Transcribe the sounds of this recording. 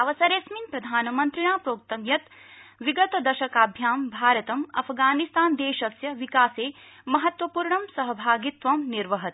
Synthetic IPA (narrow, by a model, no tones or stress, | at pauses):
ɐʋɐsɐɾeːsminpɾɐd̪ʱaːnɐmɐnt̪ɾiɳaːpɾoːk̚t̪ɐmjɐt̪ʋiɡɐt̪ɐd̪ɐʃɐkaːbʱjaːmbʱaːɾɐt̪ɐmɐ̰pʰɡaːnist̪aːnd̪eːʃɐsjɐʋikaːseː | mɐɦɐt̪ʋɐpuːɾɳɐmsɐɦɐbʱaːɡit̪ʋɐmniɾʋɐɦɐt̪